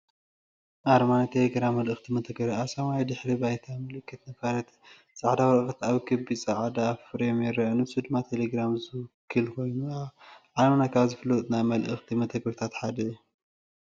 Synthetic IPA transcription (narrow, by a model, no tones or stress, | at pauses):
ʔaɾmanat̪ʰeleɡɾamːɐlʔɨxt̪ʰimɐt̪ʰɐɡɐɾasɐmajd̪ɨħɾibajt̪ʰamɨlɨkːɨt̪nɐkaɾɐt̪ | sʼaʕd̪awɐlɨxt̪aβkʰɐbisʼɐʕd̪afɾemeɛɾɐnɨsɨd̪mat̪ʰeleɡɾamzɨwkʰːɨlkʰo̞jnuaʕaɾmanakʰaβzɨfɨlɐt̪ʼnamɐlʔɨxt̪ʰimɐt̪ʰɐɡɐɾt̪ʰat̪ħad̪ɐju